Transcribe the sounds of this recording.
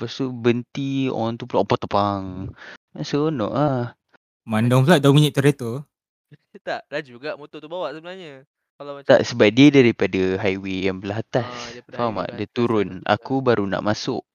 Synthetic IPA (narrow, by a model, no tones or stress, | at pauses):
past̪ubənt̪ḭɔ̰aŋt̪upulaʔpat̪əpaŋansəonɔ̰ʔah | mandɔŋfəlaʔ̪̚damiɲiʔt̪əɾet̪o | t̪aʔdad͡ʒuɡaʔmot̪ot̪ubawaʔsəbənalɲə | kalaat̪a̰ʔsəbap̚diədaɾipadaɦajwejaŋbəlaɦat̪asfama̰ʔdət̪uɾʊna̰kubaɾʔuna̰ʔmasʊ̰ʔ